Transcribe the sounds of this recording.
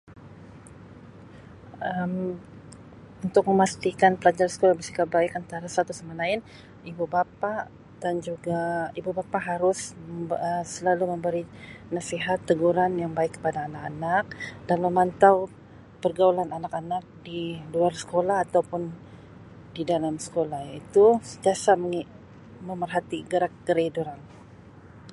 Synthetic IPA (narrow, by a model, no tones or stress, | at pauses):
əm | unt̪ʊk̚məmast̪ikanpəlad͡ʒaɾasə̥kolahbəsikabaɪkant̪aɾasat̪usamalaɪn | ibubapaʔ | d̥and͡ʒuɡaibubapaʔɦaɾʊsəsəlaluməmbəɾinasiɦat̪ːəɡuɾanjaŋbaɪkːə̥padaːnakanak̚danməmant̪aw | pərɡaulananakanak̚diluarsə̥kolahat̪awpʊn | didalamsə̥kolahit̪usət̪iasam | məmərɦat̪iɡəɾakɡəɾeduɾan